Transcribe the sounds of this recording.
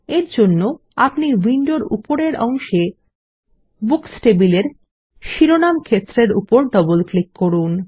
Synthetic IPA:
eɾd͡ʑonːo | apniwiɳɖoɾṵpoɾeɾʔɔŋʃe | buksʈebileɾ | ʃiɾonamkʰet̪ːɾeɾṵpoɾɖɔbolklikkːoɾun

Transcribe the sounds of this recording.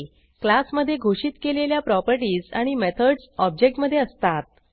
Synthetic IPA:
klasməd̪ʱːjeɡʱoʂiːt̪keleljapɾɔpəɾʈiːd͡za̰ɽ̃imɛt̪ʰəɖsɔb̚d͡ʑek̚ʈməd̪ʱːjeəst̪at̪̚

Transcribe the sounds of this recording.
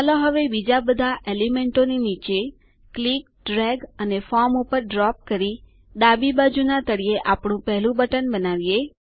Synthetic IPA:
alõɦəʋebid͡ʒabəd̪ʱaʔelimeɳʈoninit͡ʃe | klik̚ | ɖɾɛɡənefɔɾmupəɾɖɾɔp̚kəɾi | d̪abibad͡ʒunat̪əɽieʔapɳũpəɦlũbəʈənbənaʋije

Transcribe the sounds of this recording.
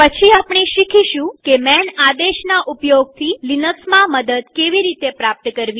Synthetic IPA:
pət͡ʃʰiapɳ̃iʃikʰiʃũkemɛnad̪eʃnaʔupjoɡ̚t̪ʰilinəksmãməd̪əd̪keʋiɾit̪epɾap̚t̪əkəɾʋi

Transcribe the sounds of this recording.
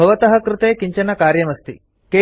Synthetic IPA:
ɐʋɐt̪ɐɦɐ̆kɾɪt̪eːkiɲt͡ʃɐnɐkaːɾjɐmɐst̪ḭ | keː

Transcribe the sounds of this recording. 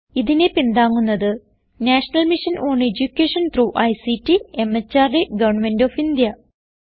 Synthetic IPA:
iðine̞pind̪aːŋːunːɐðɨ | naːʂɐnɐlmiʂɐnʔoːɳed͡ʑukʲːeːʂɐnt̪ruːʔɐjsitːiemːet͡ɕːaːrdeɡɐʋɐɳmendoːfind̪jɐ

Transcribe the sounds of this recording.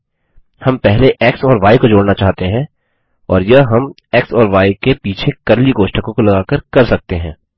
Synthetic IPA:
hɐmpɛɦleʔeːksɔːɾʋaːikod͡ʒoːɽnat͡ʃaːɦt̪eɦɛ̃ː | ɔːɾjɐɦɦɐm | eːksɔːɾʋaːikepiːt͡ʃʰekɐɾliɡoːʃʈəkõkolɐɡaːkəɾkɐɾsɐk̚t̪eɦɛ̃ː

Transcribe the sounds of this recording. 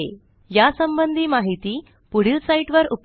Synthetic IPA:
e | jasəmbənd̪ʱiːmaɦit̪iː | puɽ̤ilsaiʈʋəɾup

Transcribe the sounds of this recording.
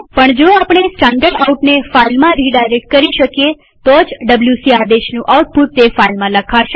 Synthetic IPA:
pəɳd͡ʒoapɳ̃esʈãɳɖəɖauʈnefailmãɾiɖajɾek̚ʈ̚kəɾiʃəkije | t̪od͡ʒɖəbljusiad̪eʃnũʔawʈ̚puʈ̪̚t̪efailmãləkʰaʃɛ

